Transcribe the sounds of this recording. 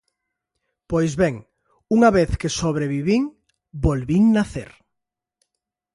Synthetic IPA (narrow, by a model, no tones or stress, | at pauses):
pojzβeŋ | uŋaβeθkesoβɾeβiβiŋ | bolβiŋnaθḛɾ